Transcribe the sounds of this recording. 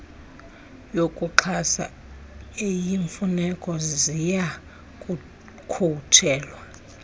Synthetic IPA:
jokʼuǃʰasa̰ | ejiɱfunɛkʼɔzija | kʰowutʰɛːlwa

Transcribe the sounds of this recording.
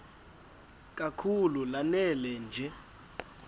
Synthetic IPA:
k̬ʼakʰululanɛlɛnd͡ʒʱɛ

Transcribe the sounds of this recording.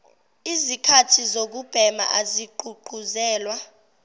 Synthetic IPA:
izikʰatʰizok̬ub̥ʱɛma̰ʔaziǃʱuǃuzɛːlwa

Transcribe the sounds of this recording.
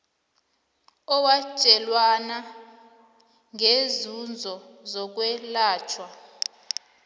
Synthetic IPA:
ɔwḁt͡ʃʼɛlwana | ŋezund͡zʱɔzɔk̬wɛlaːt͡ʃʰwa

